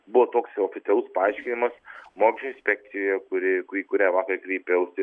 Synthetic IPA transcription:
bʊʋot̪oːksoːfʲɪt̪sʲɛlˠʊspɐɐɪʃʲkʲɪnʲɪmɐsmoːkʲɪʃʲoɪnsʲpʲɛk̚t̪sʲɪjoːjɛkʊɾʲɪkiːkʊɾʲæːʋɑːkɐɾkɾʲiɪpʲɛʊst̪ʲɪ

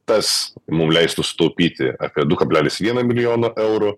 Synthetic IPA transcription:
t̪ɐsmʊmlʲɛɪst̪ʊsʊ̥t̪ɐʊpʲiːt̪ʲɪ̰ɐ̰ːpʲiɛd̪ʊkɐbʲlʲæːlʲɪsʋʲiɛnɐmʲɪlʲɪjoːnoːʔɛʊɾʊ

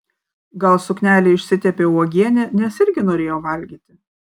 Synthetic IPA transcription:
ɡɐlˠsʊknʲæːlʲɛɪɪʃʲsʲɪt̪ʲɛpʲeːuɔɡʲiɛnʲɛnʲɛsɪɾʲɡʲɪnoːɾʲeːjoːʋɐlʲɡʲiːt̪ʲɪ

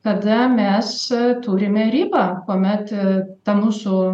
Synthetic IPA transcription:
kɐd̪ɐmʲɛst̪uːɾʲɪmʲɛɾʲiːbɐkuɔmʲɛt̪t̪ɐmuːsʊ

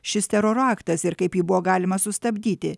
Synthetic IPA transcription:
ʃʲɪst̪ʲɛɾoːɾɑːkt̪ɐsɪɾkɐɪpjiːbʊʋoːɡɑːlʲɪmɐsʊst̪ɐbʲd̪ʲiːt̪ʲɪ

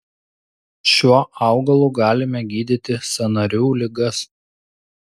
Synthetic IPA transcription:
ʃʲuɔɑˑʊɡɐlˠuːɡɑːlʲɪmʲɛɡʲiːd̪ʲɪt̪ʲɪsɐnɐɾʲuːlʲɪɡɐs

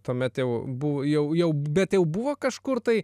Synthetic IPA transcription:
t̪oːmʲɛt̪jɛʊbʊʋjɛʊjɛʊbʲɛt̪jɛʊbʊʋoːkɐʃkʊrt̪ɐɪ

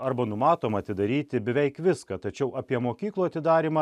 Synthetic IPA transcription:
ɐɾbɐnʊmɑːt̪oːmɐːt̪ʲɪd̪ɐɾʲiːt̪ʲɪbʲɛʋʲɛɪkʋʲɪskɐt̪ɐt͡ʃʲɛʊʔɑːpʲiɛmoːkʲiːklˠuːɐt̪ʲɪd̪ɑːɾʲimɐ

